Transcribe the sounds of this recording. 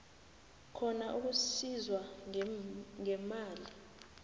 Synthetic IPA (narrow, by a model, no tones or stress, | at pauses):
kʰɔnaʔuk̬usizwa | ŋɛmaːli